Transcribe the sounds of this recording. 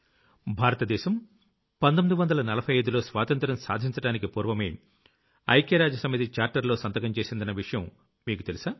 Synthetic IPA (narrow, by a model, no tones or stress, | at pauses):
bʱaːɾɐt̪ɐd̪ɛːʃɐm | pɐnd̪omid̪uʋɐnd̪ɐlɐnɐlɐpʰɐjɐjd̪ulo̞ːsʋaːt̪ɐnt̪ɾɐmsa̰ːd̪ʱiɲt͡ʃɐɽaːnikipuːɾʋɐmeː | ɐ̰jkeːɾaːd͡ʒɐsɐmit̪it͡ʃaːɾʈɐɾlo̞ːsɐnt̪ɐkɐmt͡ʃe̞ːsind̪ɐnɐʋiʂɐjɐm | miːkut̪e̞lisaː